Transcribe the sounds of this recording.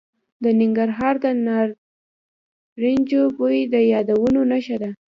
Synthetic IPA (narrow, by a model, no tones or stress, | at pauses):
d̪ənɪŋɡaɾɦɑɾd̪ənɑɾ | ɾind͡ʒobojid̪əjɑd̪awənonaʃad̪a